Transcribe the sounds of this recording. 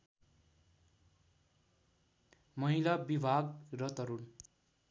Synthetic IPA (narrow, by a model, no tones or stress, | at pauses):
mʌɦilabibʱaɡrʌt̪ʌɾun